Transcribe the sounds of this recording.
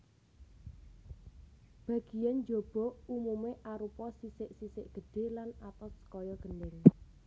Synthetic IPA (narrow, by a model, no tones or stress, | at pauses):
b̥a̤ɡ̥i̤jand͡ʒob̥ɔ̤umumeʔaɾupɔsisɪʔsisɪʔɡ̥ə̤ɖ̥e̤lanat̪ɔskɔjɔɡ̥əndɪl